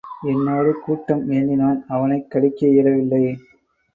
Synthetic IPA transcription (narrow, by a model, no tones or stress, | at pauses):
ɛnːoːɽɯkuːʈːɐmeːnɪnaːnɐʋɐnɐɪkːɐɽɪkːɐɪɾɐʋɪlːɐɪ